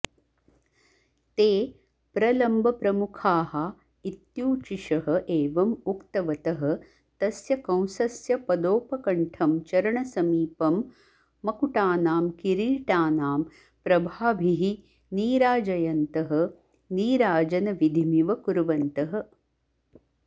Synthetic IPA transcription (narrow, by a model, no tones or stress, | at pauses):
t̪eː | pɾɐlɐmbʱɐpɾɐmukʰaːɦɐ | it̪juːt͡ʃiʃɐɦɐ̆ʔeːʋɐmukt̪ɐʋɐt̪ɐɦɐ̆ | t̪ɐsjɐkɐ̃w̃sɐsjɐpɐd̪oːpɐkɐɳʈʰɐmt͡ʃɐɾɐɳɐsɐmiːpɐmː | ɐkuʈaːnaːmkiɾiːʈaːnaːm | pɾɐbʱaːbʱiɦi | niːɾaːd͡ʒɐjɐnt̪ɐɦɐ̆ | niːɾaːd͡ʒɐnɐʋid̪ʱimiʋɐkuɾʋɐnt̪ɐɦɐ̆